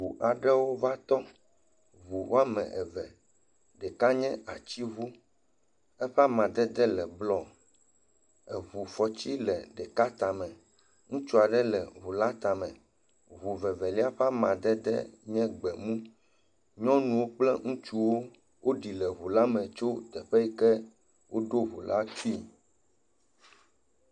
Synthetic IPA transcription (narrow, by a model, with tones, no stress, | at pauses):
u˨ʔa˨ɖɛ˦wo˦va˦t̪ɔ˦ | βu˨wa˦mɛ̰̃˨ɛ˨vɛ˨ | ɖɛ˨ka˦ɲɛ̃˦a˨t͡ɕi˦βu˦ | ɛ˦ɸa˦mã˨d̪ɛ˦d̪ɛ˦lɛ˨blɔ˨ | ɛ˨βu˨fɔ˨t͡ɕi˦lɛ˨ɖɛ˨ka˦t̪a˨mɛ̃˨ | ŋũ˦t͡ʃu˦a˨ɖɛ˦lɛ˨βu˨la˦t̪a˨mɛ̃˨ | βu˨vɛ˨vɛ˨li˦a˦ɸɛ˦a˦mã˨d̪ɛ˦d̪ɛ̰˦ɲɛ̃˦ɡ͡bɛ˨mũ˦ | ɲɔ̃˦nũ˨wo˦k͡plɛ˦ŋũ˦t͡ʃu˦wo˦ | wo˦ɖi˨lɛ˨ɦu˨la˦mɛ̃˨t͡ʃo˦t̪ɛ˨ɸɛ˦ji˦kɛ˦ | wʔo˦ɖo˦ɦu˨la̰˦t͡ʃi˦˨